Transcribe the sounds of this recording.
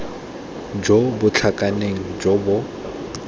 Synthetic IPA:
d͡ʒobʊt͡ɬʰakʼaneŋ̩d͡ʒɔbʊ

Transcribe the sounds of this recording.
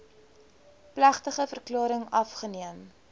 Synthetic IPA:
plæχtəχəfərklɑːɾəŋɐfχəniəm

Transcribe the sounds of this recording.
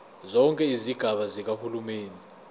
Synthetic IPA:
zɔŋkʼɛiziɡ̥ʱaɓazik̬ahulumeːni

